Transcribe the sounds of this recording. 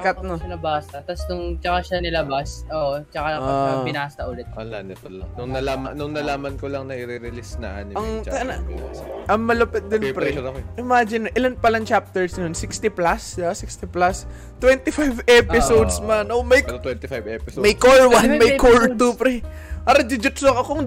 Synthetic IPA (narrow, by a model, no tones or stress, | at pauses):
kɐt̪̚noɐnɐbaːst̪ɐt̪ɐsnʊŋt͡ʃɐkaʃanɪlɐbasʔoːʔt͡ʃɐkapɪnaːst̪ɐʔʊlɛt̪̚ɐanɛt̪ | nʊŋnɐlaːmɐnʊŋnɐlaːmɐnkolɐŋnɐʔɪɾɪɾɪlisna̰ʔɐ̰njɐŋn | ʔɐŋmɐlopɛt̪̚d̪onpɾɛɐkʔɪmad͡ʒɪnːoʔɪlanpɐlɐŋt͡ʃap̚t̪ɛɹsnonsɪkst̪ɪplasd̪ɪbasikst̪iplas | t̪wɛnt̪ɪfajvɛpɪsowd̪smanomɐj̪wɛnt̪ɪfajvɛpɪsmɐjkoɹwanmɐjkoɹt̪upɾɛ | ʔɐɾɐd͡ʒɪd͡ʒʊt̪sokɐkʊŋ